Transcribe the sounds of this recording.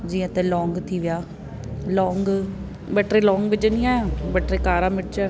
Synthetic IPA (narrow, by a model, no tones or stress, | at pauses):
d͡ʒiːãt̪ɛlɔːŋɡt̪ʰiʋɪjaː | lɔːŋɡ | bəʈɾelɔːŋɡd͡ʒənɪjãbəʈɾekaːɾaːmɪʈt͡ʃa